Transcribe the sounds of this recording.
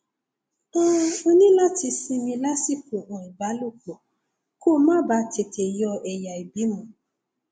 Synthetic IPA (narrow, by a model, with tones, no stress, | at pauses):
ã˦o˦nĩ˦la˦ti˧sĩ˦mĩ˧la˦si˦˨ku˨ɔ̃˨i˨ba˨˦lo˦˨ko˨ | ko˦˨˦mã˦ba˨˧˦tʰe˨tʰe˨jɔ˧ɛ˨ja˨i˨bi˨˦mũ˧